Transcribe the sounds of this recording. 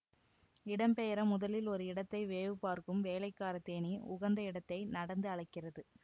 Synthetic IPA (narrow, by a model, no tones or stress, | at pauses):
ɪɽɐmpɛjɐɾɐmʊðɐlɪlɔɾɯɪɽɐt̪ːɐɪʋeːʋɯpːaːɾkɯmʋeːlɐɪkːaːɾɐt̪ːeːniʊɣɐnd̪ɐɪɽɐt̪ːɐɪnɐɽɐnd̪ɯɐɭɐɪkːɪrɐðɯ